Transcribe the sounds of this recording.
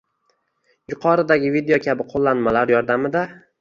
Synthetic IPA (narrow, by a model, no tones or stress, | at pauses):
jʊqʰɒɾɪd̪aɡʲɪvid̪ejokʲʰabɪqʰolˠːanmalaɾjɒɾd̪amɪd̪a